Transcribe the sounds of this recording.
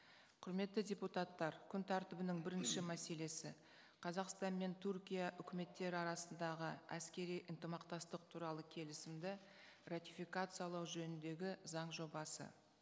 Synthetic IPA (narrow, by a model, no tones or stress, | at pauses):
qʰʊɾme̞t̪ːɪdʲeput̪ɑt̪ːɑɾkʲʰʏnt̪ʰæɾt̪ɪbɪnɪŋbɪɾɪnʃɪmæse̞le̞sɪ | qʰɑzɑqst̪ɑnme̞nt̪ʰurkʲijaʔʏkʲɪme̞t̪ːe̞ɾɪɑɾɑsənd̪ɑʁəæskʲe̞ɾijʔənt̪əmɑqt̪ɑst̪əqt̪ʰuɾɑlˠəkʲʰe̞lɪsɪmd̪ɪ | rat̪ʲifijkat̪sɨjɑlˠɑwʒɵnɪnd̪e̞ɡʲɪzɑɴʒo̞bɑsə̰